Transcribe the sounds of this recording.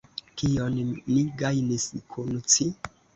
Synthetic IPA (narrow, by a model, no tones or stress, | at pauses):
kijonmiɡajniskʰunut͡si